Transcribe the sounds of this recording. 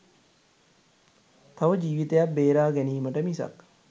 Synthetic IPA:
t̪aʋəd͡ʒiːʋit̪ejab̚beːɾaːɡæniːməʈəmisa̰k

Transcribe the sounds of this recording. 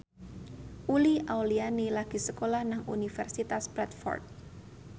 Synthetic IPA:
ʔuliʔawlianilaɡ̥i̤səkolahnaŋṵnifɛrsit̪asbɾɛt̪fɔ̰rt̪̚

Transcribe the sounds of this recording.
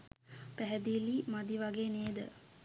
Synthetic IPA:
pæɦɛd̪ilimad̪iʋaɡeːneːd̪ə̰

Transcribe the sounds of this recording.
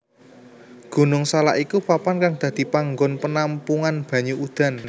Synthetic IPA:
ɡ̥ṳnʊŋsala̰ʔikupapankaŋd̪̥ä̤d̪̥i̤paŋɡɔnpənampuŋanb̥ä̤ɲuʔud̪̥a̤n

